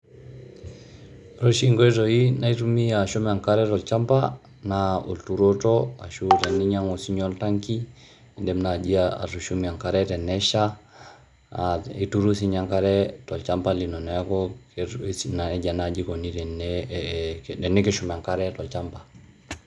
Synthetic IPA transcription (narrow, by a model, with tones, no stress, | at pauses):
ɾo˦ʃiŋɡo˦e˦tojina˦i˦tumi˦a˨ʃuma˨ŋka˦ɾɛ˦tɔ˨lt͡ʃampa | nao̰˨ltu˨ɾo˦tɔa̰˨ʃutɛ˨nːi˦ɲa˦ŋo˨si˦ɲɔ˦ltaŋki˦ | ndɛmna˨d͡ʒi˦aa̰˨ɾu˨ʃumia˨ŋkaɾɛtɛ˨nːɛʃa | i˨tu˦ɾu˦siɲa˦ŋkaɾɛtɔ˨lt͡ʃampa˦li˨nɔ˨nɔ˨a˦kɔkena˨ɛ˨d͡ʒa˨na˨d͡ʒi˦ko˨ni˦tɛ˨nɛ | dɛ˨nːi˦ke˦ʃumɛ˨a˨ŋka˦ɾɛtɔ˨lt͡ʃampḁ˨